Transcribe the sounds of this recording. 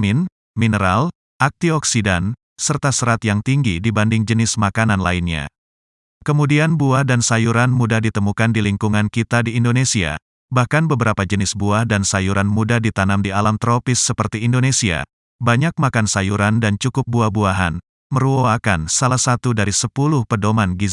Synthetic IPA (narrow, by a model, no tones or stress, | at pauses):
mɪn | minəɾa̰l | ʔak̚t̪iɔksidan | sərt̪asəɾat̪jaŋt̪iŋɡidibandɪŋd͡ʒənɪsmakananlainɲa̰ | kəmudianbuahdansajuɾanmudahdit̪əmukandiliŋkuŋankit̪adiːndonesia̰ | bahkanbəbəɾapad͡ʒənɪsbuahdansajuɾanmudahdit̪anamdialamt̪ɾopɪsːəpərt̪iːndonesia̰ | baɲak̚makansajuɾandant͡ʃukʊp̚buahbuaɦa̰n | məɾuoakansalahsat̪udaɾisəpulʊhpədomanɡiz